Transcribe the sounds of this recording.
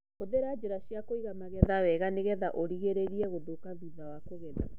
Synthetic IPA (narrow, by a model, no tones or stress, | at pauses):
oðeɾad͡ʒeɾaʃjakoiɣamaɣɛðawɛɣaneɣɛðaʔoɾiɣeɾeɾiɛɣoðokaðuðawakoɣɛða̰